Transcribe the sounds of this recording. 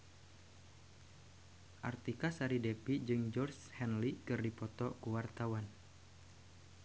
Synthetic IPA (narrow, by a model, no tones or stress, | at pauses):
ʔart̪ikasaɾidepid͡ʒɨŋd͡ʒɔrshɛnlikɨrdipɔt̪ɔkuwart̪awan